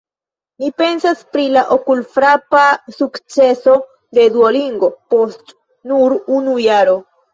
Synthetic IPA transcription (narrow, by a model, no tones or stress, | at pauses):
nipe̞nsaspɾilaʔokulfɾapasukt͡se̞so̞ | d̪e̞duoliŋɡo̞po̞st | nuɾunujaɾo̞